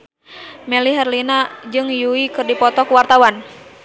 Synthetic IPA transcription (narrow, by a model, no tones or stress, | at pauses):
mɛliɦɛrlinad͡ʒɨŋjuikɨrdipɔt̪ɔkuwart̪awan